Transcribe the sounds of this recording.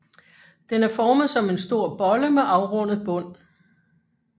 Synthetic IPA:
d̥enæɐfɒːməð̞̩ˠsɒ̽me̝nsd̥o̝ɐ̰b̥ɒ̽ləmeʔɑ̈ʊʁɔ̽n̰əð̞̩ˠb̥ɔ̽n̰

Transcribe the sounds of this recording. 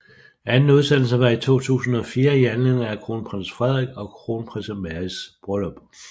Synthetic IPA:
ænn̩uð̞ˠsen̰l̩səʋɑ̈it͡sʰo̝̰ːt͡sʰṵːsn̩ɒ̽fiːɐiænlenækʰʁo̝ːnpʰʁan̰sfʁɛð̞ˠʁiɡ̥ɒ̽kʰʁo̝npʰʁɛnsɐmæɐisb̥ʁɔlɒb̥

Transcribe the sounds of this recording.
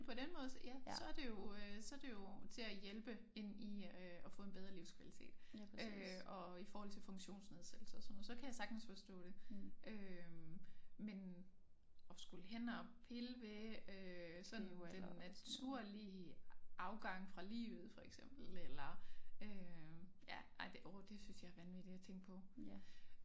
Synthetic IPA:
pʰɒ̽denmɔ̽ːð̞ˠjæssɒ̽æɐde̝jo̝øsɒ̽æɐd̥e̝jo̝t͡sʰe̝læjelb̥ə | e̝n̰iøɒ̽fɔ̽ːe̝nb̥eð̞ˠʁɐliʊskʰʋælit͡sʰe̝̰ːd̥øɒ̽ifɒɔːhɒ̽l̰t͡sʰe̝lfɔ̽ŋɕo̝̰ːnsne̝ð̞ˠsed̥l̩sɐɒsɒnːoð̩ˠsɒ̽kʰæjäɪsɑ̈ɡ̥d̥n̩sfɒsd̥ɔ̰̽ːɾ̥e̝ʔø | men | ɒ̽sɡ̥ulɦen̰ɒpʰelʋeøsɒ̽d̥n̩d̥enːæt͡sʰuɐ̰liʔɑ̈ʊɡ̥ɑ̈ŋ̰fʁɑ̈lḭːʊð̩ˠfɒ̽eɡ̥sem̰b̥l̩elɐøjæʔɑɪd̥eʔod̥e̝synsjɑ̈ɐʋænʋid̥i̥æt͡sʰeŋ̰ɡ̥̚pʰɒ̽

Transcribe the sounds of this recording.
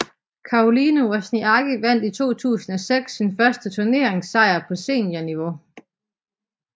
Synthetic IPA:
kʰɑ̈ʁolinoɒsniɑ̈ɡ̥iʋæn̰d̥it͡sʰo̝̰ːt͡sʰṵːsn̩ɒ̽seɡ̥sːinfɶɐsd̥ət͡sʰuɐne̝ɐeŋsɑ̈ɪ̰ɐpʰɒ̽se̝̰ːnjæniʋo̝

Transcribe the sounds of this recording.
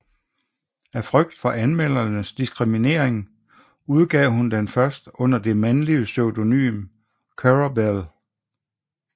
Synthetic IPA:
æfʁœɡ̥̚d̥fɒ̽ʔænmel̰ɐnəsd̥isɡ̥ʁimine̝ɐ̰eŋ | uð̞ˠɡ̥ɛ̰ːɦund̥enfɶɐsd̥ɔ̽n̰ɐd̥e̝mænliəsøʊdo̝ny̰ːm | kʰæʁabel

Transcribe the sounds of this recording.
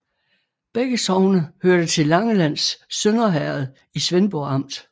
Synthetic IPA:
b̥eɡ̥əsɒʊnəhøɐ̰d̥ət͡sʰe̝lɑ̈ŋəlæn̰sːønɐɦæɐð̞ˠ | isʋenb̥ɔɑ̈m̰d̥

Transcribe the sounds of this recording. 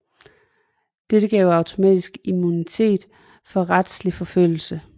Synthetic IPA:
d̥eɾ̥əɡ̥ɛːʊɑ̈ʊt͡sʰo̝mɛ̰ːd̥isɡ̥imunit͡sʰe̝̰ːd̥ | fɒ̽ʁad̥slifɒ̽føl̰l̩sə

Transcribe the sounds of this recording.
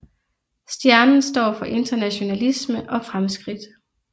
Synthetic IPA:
sd̥jæɐnn̩sd̥ɒ̰ːfɒ̽ʔe̝nd̥ɐnæɕo̝nælisməʔɒ̽fʁamsɡ̥ʁid̥

